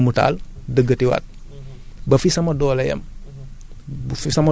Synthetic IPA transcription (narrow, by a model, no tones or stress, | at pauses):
muta̰ːldəɡːɐtiwa̰t̚ | bɐfisɐmɐdɔːlɐjɐ̰m | bfisɐmɐ